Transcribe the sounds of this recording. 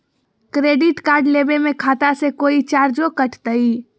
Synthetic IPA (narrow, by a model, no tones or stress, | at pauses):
kɾeɖiʈkaɾɖlebemekʰat̪asẽkoit͡ʃaɾd͡ʒokəʈʰt̪əi